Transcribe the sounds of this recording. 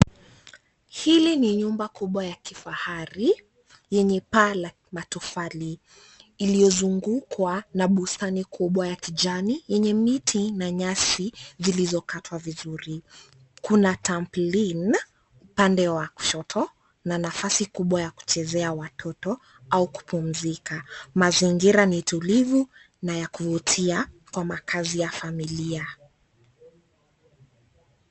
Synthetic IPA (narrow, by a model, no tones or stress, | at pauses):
hiliniɲumbakuɓwajakifahaɾi | jɛɲɛpala | matɔfaliː | lijɔzuŋɡukwanaɓustanikʰuɓwajakid͡ʒanijɛɲɛmitʰinaɲasizilizɔkatʰwavizuɾi | kunatamplin | upandɛwaku̥ʃɔtʰɔ | nanafasikuɓwajaku̥t͡ʃɛzɛawatʰɔtɔ | auku̥pum̩zikamaziŋɡiɾanitulivu | najakuvutʰiakwamakʰazijafamilia